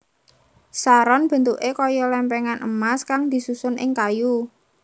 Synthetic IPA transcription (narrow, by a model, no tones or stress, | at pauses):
saɾɔnb̥ə̤nt̪uʔekɔjɔlɛmpɛŋanʔə̰maskaŋd̪̥i̤susʊnʔɪŋkaju